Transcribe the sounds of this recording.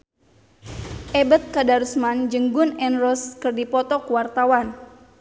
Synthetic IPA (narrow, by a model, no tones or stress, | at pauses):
ʔɛbət̪̚kadaɾusmand͡ʒəŋɡʊnɛnɾɔskɨrdipɔt̪ɔkuwart̪awan